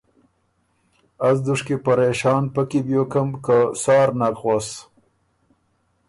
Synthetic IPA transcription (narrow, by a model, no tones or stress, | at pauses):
as̬d̪uʂkepaɾeʃɑːnpakibjokamkasɑːɾnakxwas